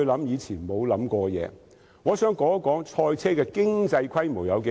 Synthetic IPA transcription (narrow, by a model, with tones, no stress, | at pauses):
lɐ˨˥mjiː˨˧t͡sʰiː˨˩nmo˨˧wlɐ˨˥mkɔː˧jɛ̰ː˨˧ | ŋɔː˨˧sœː˨˥ŋkɔː˨˥kɔː˨˥ŋt͡ʃʰɔː˧jt͡sʰɛː˥kɛː˧kɪ˥ŋt͡sɐ˧jkʰɐ˥jmo˨˩wjɐ˨˧wk